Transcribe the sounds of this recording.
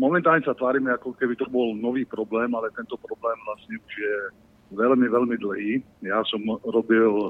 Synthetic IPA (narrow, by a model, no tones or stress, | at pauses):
mɔmɛnt̪aːlɲɛsat̪ʋaːɾiːmɛakɔkɛbit̪ɔbɔlnɔʋiːpɾɔblɛːmalɛt̪ɛnt̪ɔpɾɔblɛːmvlasɲɛuʒjɛ | ʋɛlmiʋɛlmid̪l̩ɦiː | jasɔmɾɔbil